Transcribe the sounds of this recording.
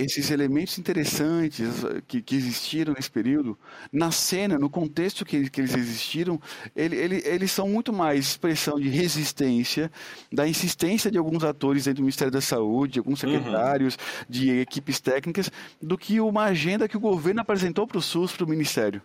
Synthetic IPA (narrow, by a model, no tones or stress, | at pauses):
esɪzelemẽnt̪ʊz̥ĩnt̪eɾesɐ̃t͡ʃɪskɪkɪezist͡ʃiɾɐ̃w̃nesɪ̥peɾiwd̪ʊnɐsẽnɐnʊkõnt̪est̪ʊkɪekɪelɪzezist͡ʃiɾɐ̃w̃elelɪelɪssɐ̃w̃mũj̃t̪ʊmajzɪspɾesɐ̃w̃d͡ʒɪɦezist̪ẽsiɐd̪ɐĩsist̪ẽsiɐd͡ʒɪawɡũzat̪oɾɪzdẽt̪ɾʊminist̪ɛɾjʊd̪ɐsaud͡ʒɪd͡ʒawɡũsekɾet̪aɾjʊsd͡ʒɪekipɪst̪ɛknikɐsd̪ʊkʰɪũmɐaʒẽnd̪ɐkɪʊɡoveɾnʊapɾezẽnt̪owpɾʊsuspɾʊmĩnist̪ɛɾjʊ